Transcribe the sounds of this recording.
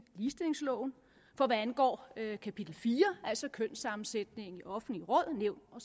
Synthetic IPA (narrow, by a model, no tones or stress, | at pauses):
liːsd̥e̝le̝ŋslɔʊn̩ | fɒ̽ʋæænɡ̥ɒ̰ːkʰæpʰid̥l̩fiːɐæl̰sɒ̽kʰøn̰sɑ̈mn̩sed̥ne̝ŋŋ̩iʔɒ̽fn̩liʁɔ̽ð̰ˠneʊ̰nɒ̽